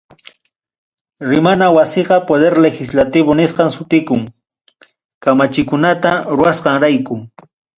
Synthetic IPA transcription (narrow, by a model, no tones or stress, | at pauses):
ɾɪmanawasɪqɑpod̪eɾlexɪslat̪ɪbonɪsqɑŋsʊt̪ɪkʊŋ | kamat͡ʃɪkʊnat̪aɾʊasqɑŋɾajkʊ